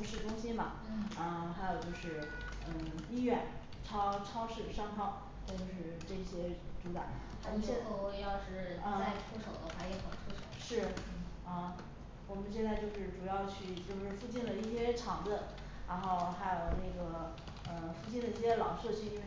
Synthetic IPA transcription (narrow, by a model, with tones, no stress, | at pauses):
ʂɻ̩˥˩ʈ͡ʂʊ˥ŋɕi˥nbɐ˨˩˥ə˥˧xa˧˥ɪjo˨˩ʊt͡ɕjo˥˧ʊʂɻ̩˥˩ | ə˥˧i˥ɥɛ˥˧˩n | ʈ͡ʂʰɑ˥ʊʈ͡ʂʰɑ˥ʊʂɻ̩˥˩ʂɑ˥˧ŋkʰɑ˥˩ʊ | na˥˧t͡ɕjo˥˧ʊʂɻ̩˥˧ʈ͡ʂɤ˥˧i˥˩ɕjɛ˥ʈ͡ʂu˧˥ka̰˨˩˦wɔ˧˨˩m˧ɛ˥˧o˥˧˥jɑ˥˩ʊʈ͡ʂɻ̩˥˩ə˥˧˩a˥˩˧ɪʈ͡ʂʰu˥ʂo˨˩ʊd̪ə˦xwa˥˩jɛ˧˥˩xɑ˨˩ʈ͡ʂʰu˥ʂo˨˩˦ʊʂɻ̩˥˩˥ | ə˥˧ | wɔ˨˩mə˦nɕjɛ˥˧nt͡sa˥˧ɪt͡ɕjo˥˧ʊʂɻ̩˥˩ʈ͡ʂu˨˩jɑ˥˧ʊt͡ɕʰy˥˧t͡ɕjo˥˧ʊʂɻ̩˥˧fu˥˧t͡ɕi˥˩nlə˩i˥˩ɕjɛ˥ʈ͡ʂʰɑ˧˥ŋd̪ə˧ | ɻa˧˥nxo˥˩ʊxa˧˥ɪjo˨˩ʊne˥˩ɡə˩ | ə˧fu˥˧t͡ɕi˥˩nd̪ə˩i˥˩ɕjɛ˥lɑ˨˩ʊʂɤ˥˩t͡ɕʰy˥